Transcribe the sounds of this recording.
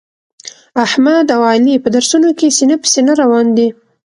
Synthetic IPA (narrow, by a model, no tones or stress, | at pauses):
ahmad̪awalipəd̪aɾsunokesinapə̥senaɾawɑnd̪i